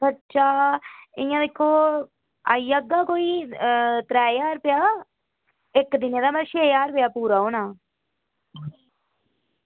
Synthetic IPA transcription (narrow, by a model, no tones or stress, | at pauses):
bəʃaːɪjãːd̪eːkʰːoː | a̰ːiːəɡːaːkoːiːt̪ɾɛːjaːɾpɪjaː | ɪkd̪ɪneːd̪aːməʃeːjaːɾpɪjaːpuːɾaːɦoːnaː